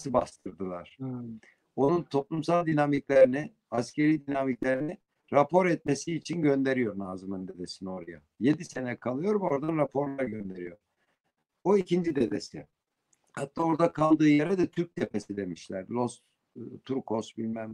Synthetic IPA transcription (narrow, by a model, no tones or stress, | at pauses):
sɯba̰st̪ʰɯɾd̪ɯlˠa̰ɾ̥ | o̞nunt̪ʰo̞plˠumsalˠd̪inamiclʲeɾini | ascʰe̞ɾiːd̪inamiclʲe̞ɾini | ɾapʰo̞ɾɛt̪̚me̞siːt͡ʃʰinɟø̞nd̪e̞ɾijo̞ɾnaːzɯmɯnd̪e̞d̪e̞sino̞ɾaja̰ | je̞d̪ise̞nɛkʰalˠɯjo̞ɾmɛo̞ɾd̪anɾapʰo̞ɾlˠaɾɟø̞nd̪e̞ɾijo̞ɾ̥ | o̞icind͡ʒid̪e̞d̪e̞si | hat̪ʰːaːo̞ɾd̪akʰalˠd̪ɯːjeɾɛd̪ɛt̪ʰyɾc̚t̪ʰepe̞sid̪e̞miʃlʲæɾlˠo̞s | t̪ʰuɾkʰo̞sbilʲmæm